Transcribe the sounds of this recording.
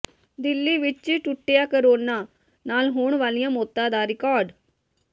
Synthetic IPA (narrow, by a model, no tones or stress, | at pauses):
d̪ɪlːiːʋɪt͡ʃʈʊʈːejaːkəɾoːnaː | naːlɦoːɳʋaːlijãːmoːt̪ːãːd̪aːɾɪkɔːɾɖ